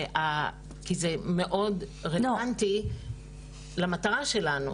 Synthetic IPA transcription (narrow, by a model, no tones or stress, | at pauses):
a | kizeme̞ʔo̞dʁeanti | lamat̪aʁaʃe̞lanṵ